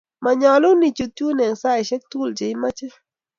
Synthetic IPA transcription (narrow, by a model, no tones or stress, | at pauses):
maɲalunit͡ʃʊt̪uneŋsajʃek̚t̪ult͡ʃajmat͡ʃa